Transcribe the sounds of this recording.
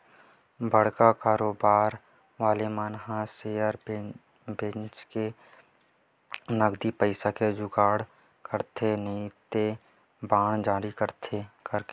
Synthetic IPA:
bəɽ̤kakaːɾoːbaːɾ | ʋaːlemaːnɦãseəɾ | bẽt͡ʃke | nəɡd̪ipəɪsaked͡ʒʊɡaːɽ | kəɾt̪ʰenet̪e | baːɳ̃d͡ʒaːɾikəɾt̪ʰekəɾke

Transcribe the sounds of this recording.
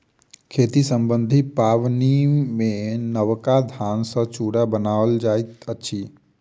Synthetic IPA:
kʰeːt̪isə̃mbə̃nd̪ʱipaːʋnimẽnəʋkad̪ʱaːnsə̃t͡ʃuːɽabənaːəld͡ʒaːet̪ətːʃʰiː

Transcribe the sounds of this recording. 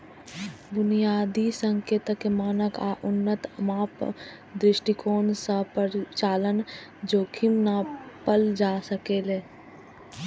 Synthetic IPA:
bʊnijaːd̪isə̃ŋkeːt̪əkemaːnəkaːʔʊnːət̪maːp | d̪ɾɪʃʈikoːnsəpəɾt͡ʃaːlənd͡ʒoːkʰɪmnapəld͡ʒaːsəkeːleː

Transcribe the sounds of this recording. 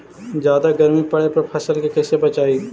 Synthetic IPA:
d͡ʒjaːd̪aɡɐɾmipɐɽepɐɾpʰɐsəlkekɛsebɐt͡ʃaːiː

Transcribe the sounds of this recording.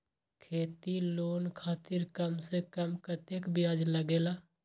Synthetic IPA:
kʰeːt̪iloːnkʰaːt̪ɪɾkəmsekəmkət̪ekbɪjaːd͡ʒləɡeːlaː

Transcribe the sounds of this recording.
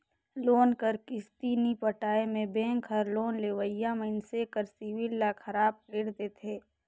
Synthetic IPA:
loːnkəɾkɪst̪iːnipəʈaːemẽbẽːŋkʰəɾloːnleʋəjaməɪnsekəɾsiwɪlːakʰəɾaːb̚kleːɽt̪et̪ʰeː

